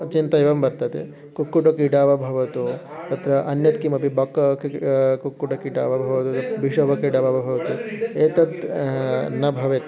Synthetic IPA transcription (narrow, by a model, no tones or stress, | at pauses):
t͡ʃint̪ɐeʋɐmbɐɾt̪ɐt̪ḛ | kukːuʈɐkiɖaːʋɐbʱɐʋɐt̪ut̪ɐt̪ɾɐʔɐnjɐt̪kimɐpibɐkːkkukːuʈɐkiʈa̰ːʋɐbʱɐʋɐt̪ut̪ɐbʱiʂɐʋɐkiɖaːʋɐʋɐbʱɐʋɐt̪ueːt̪ɐt̪ | nɐbʱɐʋet̪